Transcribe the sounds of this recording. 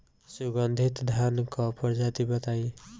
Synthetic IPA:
suɡʌnd̪ʱit̪d̪ʱankʌpʌɾd͡ʒat̪ibʌt̪aj

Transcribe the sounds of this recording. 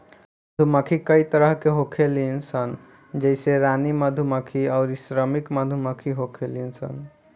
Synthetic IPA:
məd̪ʱuməkʰikəit̪əɾəɦkeɦokʰelinsən | d͡ʒəɪseɾaniməd̪ʱuməkʰiaʊɾisɾəmikməd̪ʱuməkʰiɦokʰelinsə̰n

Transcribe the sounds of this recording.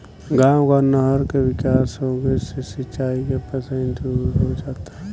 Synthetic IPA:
ɡãːwkanəɦəɾkeʋɪkaːsɦoɡəesesɪt͡ʃaːikepəsə̃nd̪uɾɦod͡ʒaːt̪aɦɛ

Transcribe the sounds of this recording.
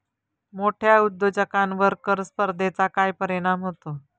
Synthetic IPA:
moʈʰjaud̪ːod͡ʑəkãnʋəɾkəɾspəɾd̪ʱet͡sakajpəɾiɽ̃amɦot̪o

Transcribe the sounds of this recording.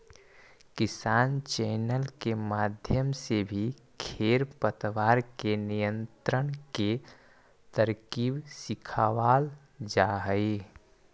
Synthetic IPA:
kɪsaːnt͡ʃɛːnəlkemaːd̪ʱjəmsebʱi | kʰeːɾpət̪ʋaːɾkenijə̃nt̪ɾəɽ̃ke | t̪əɾkiːbsɪkʰaːʋaːl | d͡ʒaːɦəi

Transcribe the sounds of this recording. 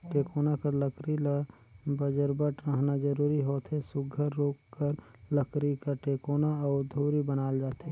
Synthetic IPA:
ʈeːkoːnakɐɾləkɾil | bəd͡ʒəɾbəʈɾəɦnad͡ʒəɾuːɾiɦoːt̪ʰesʊɡʱəɾːoːkːəɾ | ləkɾikaʈeːkoːnaɔːɾd̪ʱoːɾibənaːld͡ʒaːt̪e

